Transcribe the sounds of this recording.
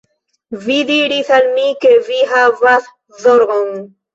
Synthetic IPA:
vid̪iɾiθalmikeviɦavaθ | ðoɾɡon

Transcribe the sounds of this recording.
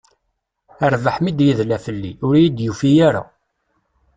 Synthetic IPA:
əɾvəħmid̪jiðlæfəlːiʊɾjid̪jufijaɾa̰

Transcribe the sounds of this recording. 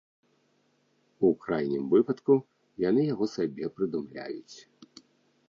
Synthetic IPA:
ukɾajnʲimvɨpɐt̪ku | janɨjaɣɔsabʲɛpɾɨd̪umlʲa̰jut͡sʲ

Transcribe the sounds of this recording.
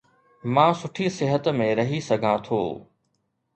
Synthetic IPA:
mãːsʊʈʰisɪɦət̪mẽɾɐɦisɐɡʱãt̪ʰo̰ː

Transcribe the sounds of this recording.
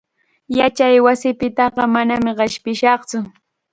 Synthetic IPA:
jat͡ʃajwasɪpɪt̪ɑɢɑmanamɪɢɪʃpɪʃɑχt͡sʊ

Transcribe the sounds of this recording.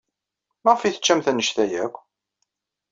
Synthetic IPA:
mæʁfiθə̥t͡ʃːæmθænːəʃθæjækʷː

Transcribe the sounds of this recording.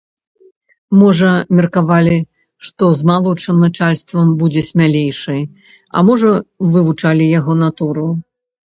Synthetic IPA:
mɔʐɐmʲɛrkavalʲi | ʂt̪ɔzmalˠɔʂɨmnat͡ʂalʲst̪vɐmbud͡zʲɛsʲmʲalʲejʂɨj | ɐ̰mɔʐɐvɨvut͡ʂalʲijaɣɔnat̪uɾu

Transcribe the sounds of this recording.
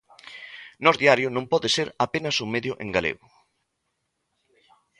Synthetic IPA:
nɔzðiaɾjʊnõmpɔðeseɾapenɐsuŋmeðjʊʔḛ̃ŋɡalḛɣʊ

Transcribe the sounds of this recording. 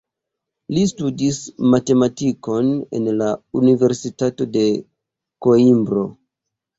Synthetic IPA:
listudismate̞matiko̞ne̞̰nlaunive̞ɾsitato̞de̞ | ko̞imbɾo̞̰

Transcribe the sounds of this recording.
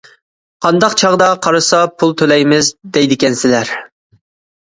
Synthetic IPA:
qʰɑnd̪ɑqt͡ʃʰɑʁd̪ɑqʰɑɾɨsɑpʰulˠt̪ʰølɛjmɪzd̪ɛjd̪ɪkʲɛnsɪlæɾ

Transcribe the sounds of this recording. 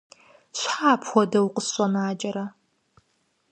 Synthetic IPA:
ɕħaːpʰxʷɔdɐwqəsɕʷʼɐnaːd͡ʒʼɐɾɐ

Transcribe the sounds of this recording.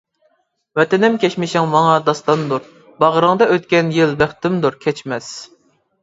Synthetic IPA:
vɛt̪ɛnɪmkʲʰɛʃmɪʃɪŋmɑŋɑd̪ɑst̪ɑnd̪uɾ | bɑʁəɾɨŋd̪ɑøt̪kʲɛnjɪlbæχt̪ɪmd̪uɾkʲʰɛt͡ʃmɛs

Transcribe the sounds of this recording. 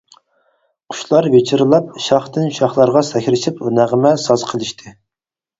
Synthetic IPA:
qʰʊ̥ʃlˠɑɾvet͡ʃʰiɾɨlˠɑp̚ʃɑχt̪ɨnʃɑχlˠɑɾʁɑsɛkʲɾɪʃipnæʁəmɛsɑzqʰəlˠɨʃt̪ʰɨ

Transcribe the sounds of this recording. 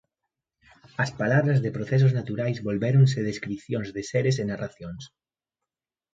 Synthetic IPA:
ɐspalaβɾazðepɾoθes̬oznat̪uɾajzβolβeɾons̬eðeskɾiθjonzðeseɾes̬enaraθjons

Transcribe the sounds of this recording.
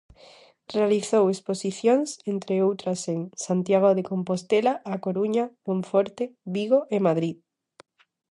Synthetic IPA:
realiθowesposiθjoŋsent̪ɾeowt̪ɾaseŋsant̪jaɣ̞oðekõmpost̪elaʔːkoɾuɲaðõɱfoɾt̪eβiɣoʔemað̞ɾið

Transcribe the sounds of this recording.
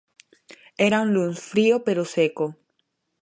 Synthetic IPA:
eɾaunlunsfɾiopeɾoseko

